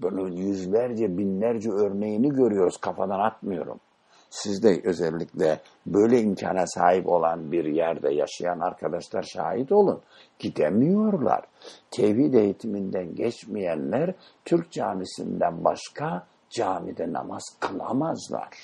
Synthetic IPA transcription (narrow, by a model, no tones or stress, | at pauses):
bununjyzlʲæɾd͡ʒɛbinlʲæɾd͡ʒɛøɾnejiniɟø̞ɾyjo̞ɾuz̥kʰafad̪anat̪̚mɯjo̞ɾṵm | sizd̪ɛʔø̞zɛlʲːiclʲɛ | bø̞jlʲɛimcʰa̰ːnasaːɦipo̞lˠanbiɾjæɾd̪ɛja̰ʃajanaɾkʰad̪aʃlˠaɾʃa̰ːhit̪o̞lˠun | ɟ̥id̪emijo̞ɾlˠa̰ɾ̥t̪ʰehid̪ejit̪ʰimind̪ænɟɛt͡ʃmijænlʲæɾ | t̪ʰyɾc̚d͡ʒaːmisḭnd̪ænbaʃkʰa | d͡ʒaːmid̪ɛna̰maz̥kʰɯlˠa̰mazlˠa̰ɾ̥